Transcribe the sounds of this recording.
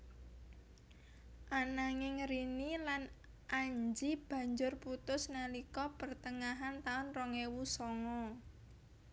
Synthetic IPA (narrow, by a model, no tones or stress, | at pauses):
ʔanaŋɪŋɾinilan | ʔaɲd͡ʒib̥a̤ɲd͡ʒʊrput̪ʊsnalikɔpərt̪əŋaɦant̪aʊnrɔŋewusɔŋɔ